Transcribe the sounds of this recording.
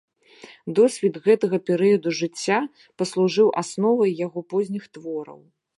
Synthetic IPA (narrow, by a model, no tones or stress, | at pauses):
d̪ɔsʲvʲid̪ɣɛt̪ɐɣɐpʲɛɾɨjɐd̪uʐɨt͡sʲːa | pɐslˠuʐɨwʔasnɔvɐjːaɣɔpɔzʲnʲixt̪vɔɾɐ̰w